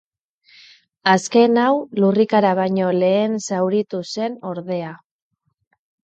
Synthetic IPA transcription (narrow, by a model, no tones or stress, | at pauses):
aske̞nawlurikaɾaβ̞aɲo̞le̞ːnsawɾit̪use̞no̞ɾðe̞a